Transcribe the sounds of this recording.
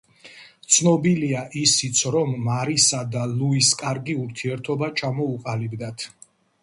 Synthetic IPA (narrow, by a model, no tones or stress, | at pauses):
t̪sʰnɔbiliaʔisit̪sʰɾɔmːaɾisad̪aluiskʼaɾɡiuɾt̪ʰiɛɾt̪ʰɔbat͡ʃʰamɔuqʼalibd̪at̪ʰ